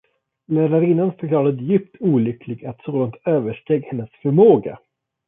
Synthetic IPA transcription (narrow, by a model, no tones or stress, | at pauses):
læːɾaɾɪnːanfœɾkʰlɑːɾad̪jʏpt̪ʰuːlʏkʰlɪɡat̪soːd̪aŋt̪øːvəʂʈeːɡhɛnːəsfœɾmoːɡa̰